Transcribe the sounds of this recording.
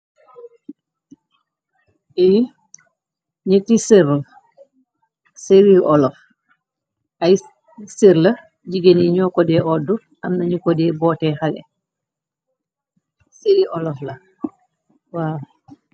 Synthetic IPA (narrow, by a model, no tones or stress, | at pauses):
ɛji | ɲətisiɾ | seɾiʔɔlɔf | ɐj | siɾlɐ | ɟiɡeniɲɔːkɔdɛːʔɔdu | ɐmnɐɲukɔdɛbɔːtɛːxalɛ̰ | siɾiʔɔlɔflɐ | waː